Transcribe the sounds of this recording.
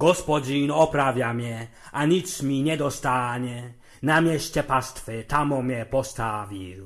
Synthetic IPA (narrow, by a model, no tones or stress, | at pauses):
ɡ̥ɔspɔd͡ʑiːnɔpɾavjamjɛ | ʔaɲit͡smiɲɛd̪ɔst̪aːɲɛ | namjɛscɛpast̪fɛt̪amɔmjɛpɔst̪aːvil